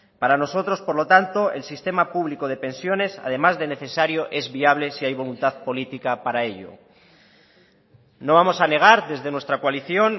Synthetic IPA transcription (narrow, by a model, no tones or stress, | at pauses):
paɾano̞so̞t̪ɾo̞spo̞ɾlo̞t̪ant̪o̞ḛlsist̪e̞mapuβlikoð̞e̞pẽ̞nsjo̞ne̞sa̰ð̞e̞mazðe̞ne̞θe̞saɾjo̞ʔe̞zβiaβ̞le̞siajβo̞lunt̪aðpo̞lit̪ikapaɾae̞ʎo̰ | no̞β̞amo̞sane̞ɣ̞aɾðe̞zðe̞nwe̞st̪ɾakwaliθjo̞n